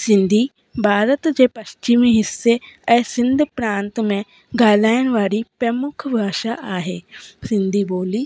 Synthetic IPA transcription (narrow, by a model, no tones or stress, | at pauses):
sɪ̃nd̪ʱiː | bʱaːɾət̪d͡ʒeːpəʃt͡ʃɪmiːɦɪsːeːɛːsɪ̃nd̪pɾãːnt̪mɛ̃ː | ɡaːlaːənʋaːɽiːpɾɛmʊkʰbʱaːʃaːʔaːɦeːsɪ̃nd̪ʱiːboːliː